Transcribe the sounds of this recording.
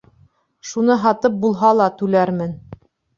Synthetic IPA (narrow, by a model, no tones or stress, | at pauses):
ʃunɤɦɑt̪ɤp̚bulˠɦɑlˠɑt̪ʉlæɾmɘn